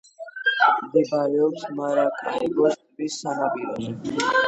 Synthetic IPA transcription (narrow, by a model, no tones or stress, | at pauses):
md̪ɛbaɾɛɔpsmaɾakʼaiɡɔst̪ʼbisːanapʼiɾɔnɛ